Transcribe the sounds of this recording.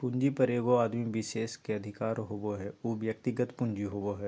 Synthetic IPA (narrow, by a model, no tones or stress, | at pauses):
pʊ̃ɲd͡ʒipəɾeːɡoaːd̪miʋɪʃeːskeɐd̪ʱɪkaːɾɦoboɦɛoʋjək̚t̪ɪɡət̪pʊ̃ɲd͡ʒiɦoboɦɛː